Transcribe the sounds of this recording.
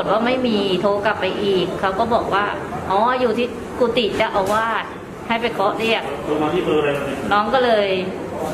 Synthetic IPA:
t̪̚waː˥˩ma˥˩jmiː˧t̪ʰoː˧ka˨˩pːa˧jʔiː˨˩kʰːa˦˥wkɔː˥˩bɔː˨˩k̚waː˥˩ | ʔɔː˨˧˩juː˨˩t̪ʰiː˥˩ | kuː˧˩t̪i˨˩t͡ɕa˨˩ʔa˧wwaː˥˩t̪̚ | ha˥˩jpa˧jkʰɔ˦˥ʔɾi˥˩ək̚duː˧maː˧iː˥˩pɤ˧ɾa˧a˧nɔː˦˥ŋkɔː˥˩lɤː˧j

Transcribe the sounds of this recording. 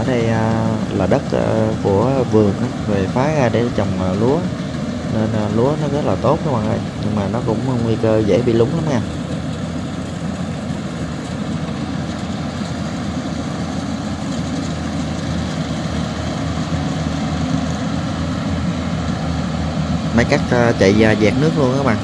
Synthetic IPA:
əː˧˩ɗə˧jʔə˧laː˨˩ɗə˦˥t̚ə̰˧ku˧˩əvɨ˨˩əŋʔaː˨˦ve˨˩faː˨˦ɣaː˧ɗḛ˧˩t͡ɕɔ˨˩wŋ͡mʔə˨˩lu˨˦ə | ne˧n˧lu˨˦ənɔ˨˦ɣə˦˥t̚laː˨˩t̪o˦˥t̚kːwɓa̰˧˨˩ŋʔɗə˧jɲɨ˧ŋmaː˨˩nɔ˨˦kʊ̰˧˥ŋ͡mwŋ͡mŋwi˧kəː˧zḛ˧˩˦ɓḭ˧˨lʊ˨˦ŋ͡mla˨˦mŋaː˧˩ | mə˨˦jkaː˦˥k̚ə˧t͡ɕa̰˧˨jzaː˧˩zɛː˨˩k̚nɨ˦˥ək̚lu˧ənkaː˨˦˥ɓa̰ː˧˨

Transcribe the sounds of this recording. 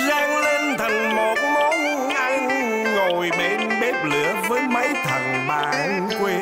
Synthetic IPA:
zaː˧ŋle˧nt̪ʰə˨˩nmo˨˩t̚nɔ˨˦˧ | ʔa˧ŋ | ŋo˨˩jɓe˧nɓe˦˥p̚lɨ̰˧˩əvəː˨˦jmə˨˦jt̪ʰə˨˩nɓaː˨˩ŋ | kwe˧

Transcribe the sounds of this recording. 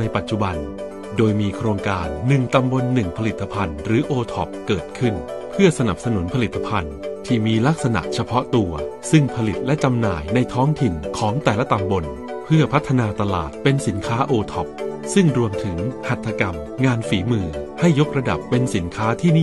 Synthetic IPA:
na˧jpa˨˩t̪̚t͡ɕu˨˩ba˧n | doː˧jmiː˧kʰɾoː˧ŋkaː˧nːɯ˨˩ŋt̪a˧mbo˧nːɯ˨˩ŋpʰa˧li˨˩t̪ːa˧pʰa˧nɾɯː˩˦ʔoː˧t̪ʰɔ˨˩p̚kɤː˨˩t̪̚kʰɯ˥˩n | pʰɯ˥˩ɐsa˧na˨˩p̚sa˧nu˨˩˦npʰa˧li˨˩t̪ːa˧pʰa˧n | t̪ʰiː˥˩miː˧la˦˥k̚sa˧na̰˨˩ʔt͡ɕʰa˧pʰɔ˦˥t̪u˧ɐsɯ˥˩ŋpʰa˧li˨˩t̪̚lɛ˦˥t͡ɕa˧mna̰ː˨˩jna˧jt̪ʰɔː˦˥ŋt̪ʰi˨˩nkʰɔː˩˦ŋt̪ɛː˨˩la˦˥t̪a˧mbo˧n | pʰɯ˥˩ɐpʰa˦˥t̪ʰːa˧naː˧t̪a˧la̰ː˨˩t̪̚pe˧nsi˩˦nkʰaː˦˥ʔoː˧t̪ʰɔ˨˩p̚sɯ˥˩ŋɾu˧əmt̪ʰɯ˩˦ŋha˨˩t̪ʰːa˧ka˧m | ŋaː˧nfiː˩˦mɯː˧˩ha˥˩jːo˦˥k̚ɾa˧da̰˨˩pːe˧nsi˩˦nkʰaː˦˥t̪ʰiː˥˩nː˥˩

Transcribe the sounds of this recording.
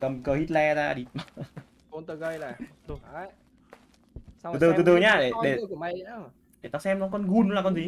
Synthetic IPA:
t̪ə˨˩mkəː˧˩hi˦˥t̚lɛ˧zaː˧ɗi˧˩m˧˩ | o˧nt̪ə˧ɣə˧jl | ɨ˧t̪ɨ˨˩t̪ɨ˧˩t̪ɨ˨˩ɲaː˧ɗe˧˩ɗe˧˩˨ | ɗe˧˩t̪aː˧˩sɛ˧mnɔ˨˦kɔ˧nɣu˨˧nːu˨˦laː˨˩kɔ˧nzi˨˦

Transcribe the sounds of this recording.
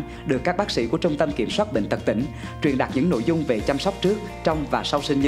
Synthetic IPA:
ɗɨ˨˩əkːaː˦˥k̚ɓaː˦˥k̚sḭ˧˥ku˧˩ət͡ɕʊ˧ŋ͡mt̪ə˧mki˧˩əmswaː˦˥t̚ɓḛ˧˨ŋ̟t̪ə˨˩k̚t̪ï˧˥ŋ̟ | t͡ɕwi˨˩ənɗa˨˩k̚ɲɨ̰˧˥ŋno̰˧˨jzʊ˧ŋ͡mve˨˩t͡ɕa˧msɔ˦˥wk͡p̚t͡ɕɨ˦˥ək̚ | t͡ɕɔ˧wŋ͡mvaː˨˩sa˧wsï˧ŋ˧

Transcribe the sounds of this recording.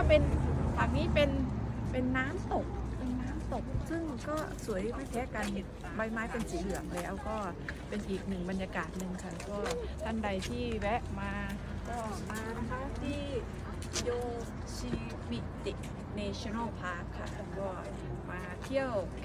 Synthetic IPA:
kɔː˥˩pe˧nbaː˨˩k̚niː˦˥pe˧npe˧nːaː˦˥mso˨˩p̚ʔɯː˧˩ŋnaː˦˥mso˨˩p̚sɯ˥˩ŋkɔː˥˩su˨˩˦əjma˦˥˩k̪ʰɛː˦˥kaː˧nhe˨˩t̪̚ | ba˧jmaː˦˥jpe˧nsiː˨˩˦lɯ˨˩˦əŋlɛː˦˥wkɔː˥˩pe˧nʔiː˨˩k̚nɯ˨˩ŋba˧njaː˧kaː˨˩t̪̚nɯ˨˧ŋkʰa˦˥˩pʰɔː˥˩ | t̪ʰa˥˩nda˧jt̪ʰiː˥˩bɛ˦˥ʔmaː˧ | kɔː˧˥˩ | naː˧˥t̪ʰa˥˩t̪ʰiː˥˩ | joː˧˩ | si˧ | wi˦˥t̪ːi˨˩ | neː˧t͡ɕʰɔ˧na˥˩wpʰaː˦˥˩kʰːa̰˦˥˩ | kʰɔː˥˩ | maː˧t̪ʰi˥˩əw

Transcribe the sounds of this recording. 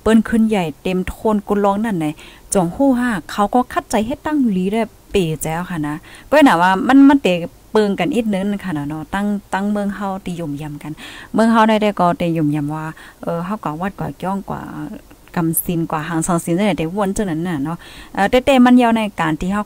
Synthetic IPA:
pɤː˧˥˨nkʰɯ˧˥˨nja˨˩jt̪e˨mt̪ʰoː˧˨nku˧˨lɔː˧˨ŋna˧˨nːa˧˨t͡ɕɔ˨˦ŋhuː˧˩˨ɦaː˧˥˩kʰːa˧˩wkɔː˧kʰa˧˥t̪̚t͡ɕa˨˦jɦe˧˦t̪ːa˧˥˨ŋliː˨˦ɾa˧˩˨ | peː˨˩t͡ɕɛː˧wkʰa˧˩˨na˧˥kɔː˧˦˨naː˨˩waː˧ma˧˥˨nma˧˥nt̪ɛː˨˩ | pɤː˧˨ŋka˨nʔi˧˩t̪̚nɯ˧˦˨na˧˨kʰa˧˩nɔ˧˨˩nɔ˧˨t̪a˧˥˨ŋt̪a˧˥˨ŋmɯ˧ə˨ŋɦa˧˩˨wt̪ʰiː˧jo˧˩mja˨mka˨nmɯ˧˨ŋɦa˧˨wna˧˩jda˧˩jkɔː˧˩t̪ɛ˨˩ju˧˩˨mja˨˩˨mwaː˧ʔɤː˨˧˩ɦa˧˩˨wkaː˨˧˩waː˧˩t̪̚kwa̰ː˨˩kɔː˧˨ŋkwa̰ː˧˩˧ | ka˨msi˧˦nkwaː˨˩ɦaː˨˩˨ŋsɔ˧˩ŋsi˨˦nsa˧na˧˩t̪ɛ˨˦wu˧ə˨nt͡ɕa˧˨na˧˨nːa˧˩nɔ˧˥ʔaː˧˩t̪ɛː˧˦t̪ɛː˧ma˧˥˨njaː˧wna˧˩jkaː˨nt̪ʰiː˧ha˧˨

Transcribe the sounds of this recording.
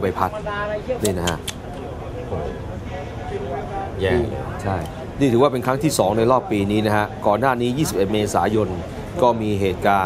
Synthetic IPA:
pa˧jpʰa˦˥t̪̚niː˥˩na˦˥ka˦˥ | ʔoː˨˩ | jɛː˥˩ŋlt͡ɕʰa˥˩j | niː˥˩t̪ʰɯː˩˦waː˥˩pe˧nkʰɾa˦˥ŋt̪ʰiː˥˩sɔː˩˦ŋna˧jɾɔː˥˩pːiː˧niː˦˥na˦˥kʰa˦˥ʔkɔː˨˩nːaː˥˩niː˦˥jiː˥˩si˨˩p̚e˨˩t̪̚meː˧saː˩˦jo˧n | kɔː˥˩miː˧ɦeː˨˩t̪̚kaː˧

